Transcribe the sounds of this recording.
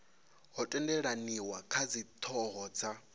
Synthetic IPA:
ɦɔtʼɛndɛɺaniwakʰad͡zit̪ʰɔɦɔːd͡zʰa

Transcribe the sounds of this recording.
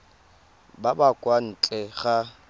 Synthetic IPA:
babakʼwan̩t͡ɬʼɛɣa

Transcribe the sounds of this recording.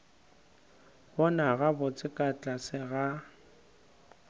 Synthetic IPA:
bɔnaɣabʊt͡sʼɪkʼat͡ɬʼasɪɣa

